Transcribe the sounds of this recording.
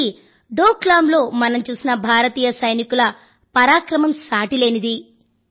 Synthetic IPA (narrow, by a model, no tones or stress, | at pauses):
i | ɖoːklaːmlo̞ːmɐnɐmt͡ʃuːsinɐbʱaːɾɐt̪iːjɐsɐjnikulɐ | pɐɾaːkɾɐmɐmsaːʈile̞ːnid̪i